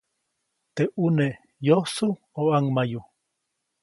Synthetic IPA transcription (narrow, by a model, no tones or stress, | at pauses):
t̪eʔune | josu | oaŋmaju